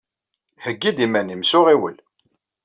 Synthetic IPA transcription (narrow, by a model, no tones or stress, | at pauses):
həɡːid̪imænimsʊʁiwə̰l